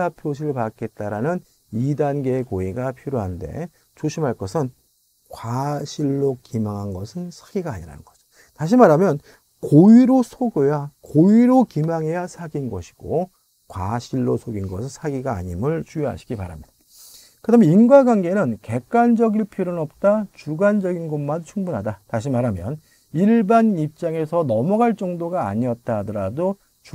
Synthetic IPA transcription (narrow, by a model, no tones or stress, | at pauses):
apʰjoɕʰiɯɭpak͈e̞t̚t͈aɾanɯn | idanɡe̞ːkoiɡapʰiɾjoɦande̞̰ | t͡ɕoɕʰimɦaɭk͈ʌsʰɯn | kwaɕʰiɭːokimaŋɦanɡʌsʰɯnsʰḁɡiɡaːɲiɾa̰nɯnɡ̥ʌd͡ʑo̥ | taɕ̬ʰimaɾamjʌn | koiɾosʰoɡojakoiɾokimaŋɦe̞jasʰaɡinɡʌ̰ɕʰi̥ɡ̥o | kwaɕʰiɭːosʰoɡinɡʌsʰɯnsʰaɡiɡa̰ːɲimɯɭt͡ɕujʌɦa̰ɕʰi̥ɡipa̰ɾa̰mɲid̥a | kɯdame̞inɡwaɡwanɡe̞nɯnke̞k̚k͈and͡ʑʌɡiɭpʰoɾɯnʌp̚t͈at͡ɕuɡand͡ʑʌɡinɡonmant͡ɕʰuŋbunɦadataɕʰimaɾamjʌn | iɭbanip̚t͡ɕ͈aŋe̞sʰʌnʌmʌɡaɭt͡ɕ͈ʌŋdoɡaːɲiʌt̚t͈adʌɾado | t͡ɕ